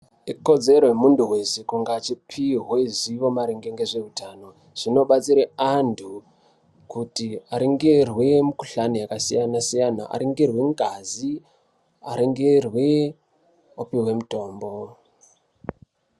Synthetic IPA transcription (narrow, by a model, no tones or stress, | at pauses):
iko̞d͡ze̞ɾoemunduwe̞sekuŋɡat͡ʃipʰiɦweziʋo̞maɾeŋɡeŋɡe̞ʐe̞utaːno | ʐ̥ino̞ɓat͡siɾeantʰu | kutiaɾeŋɡerwe̞muku̥ɬanijakasijanasijana̰ʔa̰ɾeŋɡerwe̞ŋɡazi | a̰ɾeŋɡerwe | opiɦwe̞muto̞ːmbo̞